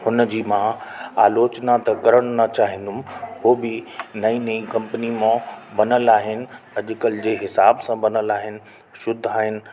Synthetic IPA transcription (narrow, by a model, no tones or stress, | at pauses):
hʊnəd͡ʑiːmãaːloːt͡ɕnat̪ɐkɐɾəɽ̃nɐt͡ɕaːɦɪ̃ːn̆d̪ʊm̆ɦoːbɪnɐĩːnɐĩkɐ̃mpənimãbɐnəlaːɦɪnɪ̆ɐʄʊkəld͡ʑeːɦɪsaːbsãbɐnəlaːɦɪnɪ̆ | ʃʊd̪ʱaːɦɪnɪ̆